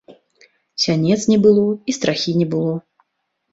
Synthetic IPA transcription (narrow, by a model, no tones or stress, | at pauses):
sʲanʲɛt̪snʲɛbɨlˠɔist̪ɾaxʲinʲɛbɨlˠɔ